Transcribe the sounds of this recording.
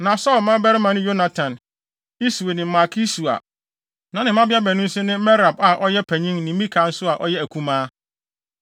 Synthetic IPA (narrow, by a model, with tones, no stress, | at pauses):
nã˨sɔ˦˨lmã˦bɛ˦ɾɪ˦mã˨nɪ̃˦jo˦na˨tʰã˨n | i˦su˨e˨nɪ̃˨m̩˨ma˨kʰi˦su˨a̰˨ | nã˨nɪ̃˨m˦ã˦bɪ˦a˦bɛ˨nʊ̃˦n̩˦sʊ̃˦nɪ̃˦mɛ˦ɾa˨ba˨ʔɔ˦jɛ˦pʰæ˨ɲĩ˦ŋnɪ̃˨˦mĩ˦kʰã˨˦n̩˦sʊ˦a˨ʔɔ˦jɛ˦æ˨kʰũ˦mãː˦